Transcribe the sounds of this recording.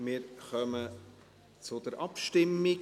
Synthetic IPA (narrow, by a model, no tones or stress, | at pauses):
mɪːɾχœmə | t͡sʊd̪əɾʔɑpʃtɪmːɪ